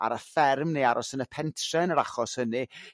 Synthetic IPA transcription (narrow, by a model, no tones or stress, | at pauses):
a̰ɾəfɛrmneaɾʔɔsənəpʰɛntʰrɛnəɾaχɔshənɨ